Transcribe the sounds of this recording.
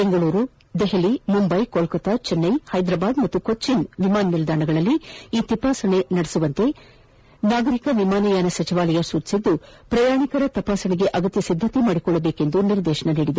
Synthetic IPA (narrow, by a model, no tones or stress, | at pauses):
beŋɡɐɭuːɾu | d̪eɦelimumbɐjkolkɐt̪at͡ʃɛnːɐjhɐjd̪ɾaːbaːd̪mɐt̪ːukott͡ʃinʋimaːnmild̪aːɳɐɡɐɭɐlːiiːt̪ipaːsɐɳe̞nɐɽesuʋɐnt̪e̞ | naːɡɐɾikɐʋimaːnɐjaːnɐsɐt͡ʃiʋaːlɐjɐsuːt̪i̥sid̪ːupɾɐjaːɳikɐɾɐt̪ɐpaːsɐɳiɡe̞ʔɐɡɐt̪jɐsid̪ʱːɐt̪imaːɽikɔɭːɐbeːke̞nd̪uniɾd̪ɛːʃɐɳɐniːɽid̪e